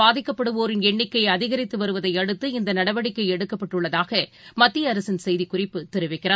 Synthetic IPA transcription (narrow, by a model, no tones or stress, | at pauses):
aːðɪkːɐpːɐɽɯʋoːɾɪnɛɳːɪkːɐɪɐðɪɣɐɾɪt̪ːɯʋɐɾɯʋɐðɐɪɐɽɯt̪ːɯɪnd̪ɐnɐɽɐʋɐɽɪkːɐɪɛɽɯkːɐpːɐʈːɯɭːɐðaːɣɐ | mɐt̪ːijɐɾɐsɪnsɛjðikʊrɪpːɯt̪ɛɾɯʋɐɪkːɪɾaː